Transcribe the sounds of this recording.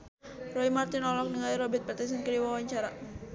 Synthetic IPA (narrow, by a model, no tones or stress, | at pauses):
rɔimart̪inɔlɔk̚nəɡaliɾɔbɛt̪̚pɛt̪ɛs̬ɛnkədiwawaɲt͡ʃaɾa